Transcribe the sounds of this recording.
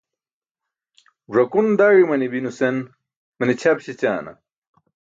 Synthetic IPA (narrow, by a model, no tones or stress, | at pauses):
ʐɐkund̪aːɻimɐnibinusen | mɐnit͡ɕʰɐbɕet͡ɕaːnɐ̰